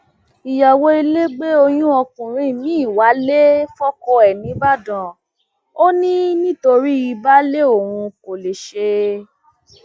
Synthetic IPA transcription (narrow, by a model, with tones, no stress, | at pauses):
i˨ja˨wo˦i˧le˦ɡ͡be˦o˧j̃ũ˦ɔ˧kũ˨ɾ̃ĩ˦˨mĩ˨˦˨wa˨˦le˦fɔ˦kɔ˧ɛ˨nĩ˨˦ba˦dã˨ | o˦nĩ˦nĩ˦to˧ɾi˦i˧ba˦le˦o˨wũ˧ko˨le˨ʃe˧